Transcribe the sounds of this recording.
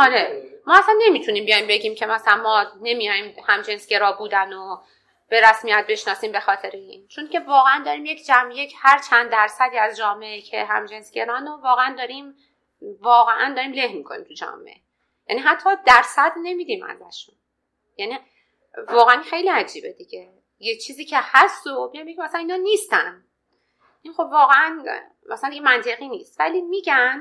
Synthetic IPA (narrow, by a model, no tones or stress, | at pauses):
ʔɒɾe̞mɒːæsænːe̞mit̪ʰuniːmbijɒjmbe̞ɟiːmcʰe̞mæsælænmɒːne̞mijɒjimhæmd͡ʒensɟe̞ɾɒːbuːd̪æno | b̥e̞ɾæsmiæt̪̚be̞ʃnɒːsiːmbe̞xɒːt̪ʰe̞ɾeiːnt͡ʃʰoncʰe̞vɒːɣeænd̪ɒːɾiːmjecʰd͡ʒæmjecʰhæɾt͡ʃʰænd̪æɾsæd̪iːæzd͡ʒɒːmeʔecʰeɦæ̰md͡ʒensɡ̥e̞ɾɒnovɒːɣeænd̪ɒːɾiːm | vɒːɣeʔænd̪ɒːɾiːmlehmiːkʰonḭmt̪ʰud͡ʒɒ̰ːmḛʔe | jæniːɦæt̪ʰːɒːd̪æɾsæd̪ne̞mid̪imʔæ̰zæ̰ʃun | jæni | vɒːɣeænixe̞jliːæd͡ʒiːbed̪iɟe | jet͡ʃʰiːziːcʰehæst̪omijɑjmbecʰʲimæsælæniːnɒːniːst̪æn | ʔinxo̞bvɒːɣeæn | mæsælænd̪iɡɟemænt̪ʰe̞ɣiːniːst̪væ̰liːmiɟæn